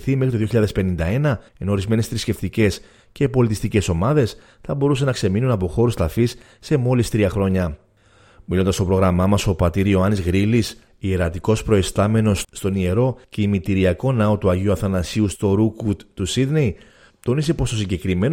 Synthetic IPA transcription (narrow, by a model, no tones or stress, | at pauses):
θimxɾit̪oðioçiʎɐðe̞spe̞nind̪ɐe̞nɐeno̞ɾizme̞ne̞st̪ɾisce̞ft̪ice̞s | ce̞po̞lit̪ist̪ice̞so̞mɐðe̞s | θɐbo̞ɾus̬enɐkse̞minunɐpo̞xo̞ɾust̪ɐfisː | e̞mo̞list̪ɾiɐxɾo̞ɲɐ | milo̞nd̪ɐst̪opɾo̞ɣɾɐmɐmɐso̞pɐt̪iɾio̞ɐnizɣɾilis | ieɾɐt̪iko̞spɾo̞est̪ɐme̞no̞sːt̪o̞nie̞ɾo̞ce̞imit̪iɾiɐko̞nɐot̪uɐʝiuɐfθɐnɐsiust̪o̞ɾukut̪t̪ːusid̪ne̞i | t̪o̞nise̞po̞st̪o̞siɲɟe̞kɾime̞n